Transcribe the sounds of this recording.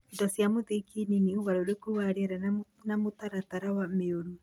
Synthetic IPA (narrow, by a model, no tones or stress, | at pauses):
ndɔsjamoðekininioβaɾooɾekowaɾeɛɾa | namot̪aɾat̪aɾawameoɾu